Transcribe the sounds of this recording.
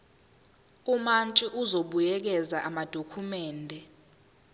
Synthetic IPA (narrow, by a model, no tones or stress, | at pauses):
umant͡ʃʼiʔuzoɓujɛk̬ɛzaʔamad̥ʱokʰumɛːndʱɛ